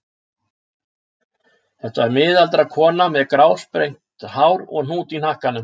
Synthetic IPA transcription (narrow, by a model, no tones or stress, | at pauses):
θɛht̪aɛɾmɪːðalt̪ɾakʰɔːnamɛðkɾaːwspɾejŋ̥t̪haːwɾɔ̰ɣn̥uːt̪inahkanʏm